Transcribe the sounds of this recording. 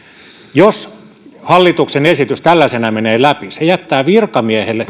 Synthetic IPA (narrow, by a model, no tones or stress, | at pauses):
jos | hɑlːit̪uksenesit̪yst̪ælːæsenæmeneːlæpisejæt̪ːæːʋirkɑmiehelːe